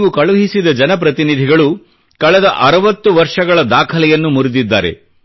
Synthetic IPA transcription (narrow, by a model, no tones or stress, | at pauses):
ʋukɐɭuɦisid̪ɐd͡ʒɐnɐp̬ɾɐt̪inid̪ʱiɡɐɭu | kɐɭɛd̪ɐʔɐɾɐʋɐt̪ːuʋɐɾʂɐɡɐɭɐd̪aːkʰɐlɛjɐnːumuɾud̪id̪ːa̰ːɾe̞̰